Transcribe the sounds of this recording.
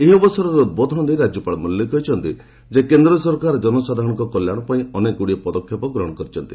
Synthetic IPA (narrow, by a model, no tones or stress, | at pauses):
eɦiɔbɔsɔɾɔɾeud̪̚bɔd̪ʱɔnɔd̪eɾad͡ʒjɔpaɭmuljɔkɔɦit͡ʃʰɔnt̪i | d͡ʒekend̪ɾɔsɔɾkaɾd͡ʒɔnɔsad̪ʱaɾɔ̃ɔŋkɔkɔljaɽ̃ɔpaĩɔnekuɽiepɔd̪ɔkʰːjɔpɔɡɾɔɦɔɽ̃ɔkɔɾit͡ʃʰɔnt̪i